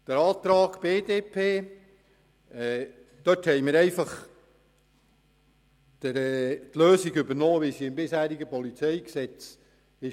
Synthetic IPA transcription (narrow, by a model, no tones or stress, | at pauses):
d̥əɾɑːt̪ɾɑːɡ̥b̥eːd̥̪eːpʰeː | ɛ | d̪̥œthɛjmɪɾɛɪfɑχ | təɾɛt̪løːsiɡʏbəɾnoːʋisiɪmbɪshæːɾiɡəpɔlit͡sɛɪksɛt͡s | ɪ